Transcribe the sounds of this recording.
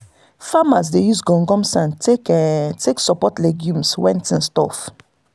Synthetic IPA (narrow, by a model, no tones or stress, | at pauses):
famas̬dejusɡɔ̃ŋɡɔ̃msãntektʰeksɔpɔtleɡjũmswɛ̃ntĩnstɔ̰f